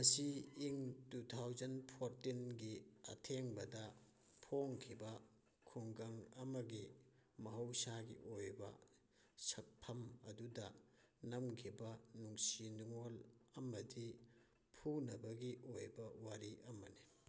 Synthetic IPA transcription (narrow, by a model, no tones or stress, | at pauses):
mɐsiːŋtutʰawzɐnpʰoɾtinɡiɐ̰tʰeŋbɐdɐ | pʰoŋkʰibɐ | kʰuŋɡɐŋɐmɐɡimɐɦɐwsaɡḭʔojbɐ̰ | sɐk̚pʰɐmɐdudɐ | nɐmkʰibɐnuŋsinuŋolɐmɐdi | pʰunɐbɐɡiʔojbɐwaɾiɐmɐni